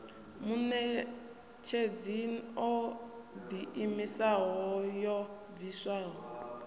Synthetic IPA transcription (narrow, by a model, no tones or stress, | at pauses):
munɛ | t͡ʃʰed͡ziniɔd̪iimisaɦɔjɔ | visaːɦɔ